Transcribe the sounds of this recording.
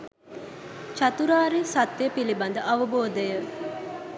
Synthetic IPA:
t͡ʃɐt̪uɾaːɾisɐt̪ːjepilibɐnd̪əʔɐʋəboːd̪əjə

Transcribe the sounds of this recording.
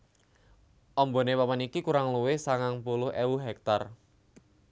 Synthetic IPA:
ʔɔmbo̤newapanikikuɾaŋluwɪhsaŋaŋpulʊhewuɦɛk̚t̪ar

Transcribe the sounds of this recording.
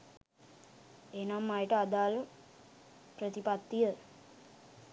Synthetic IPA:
eːnamːajəʈəad̪aːl | pɾət̪ipat̪ːijə

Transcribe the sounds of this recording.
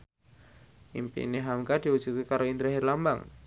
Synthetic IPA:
ʔḭmpḭneɦamkad̪̥iwud̥ʒ̥ukikaɾoind̪ɾaɦɪrlamba̰ŋ

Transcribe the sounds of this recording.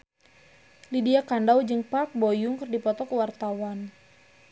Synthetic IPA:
lidiakandawd͡ʒɨŋpak̚bojʊŋkɨrdipɔt̪ɔkəwart̪awan

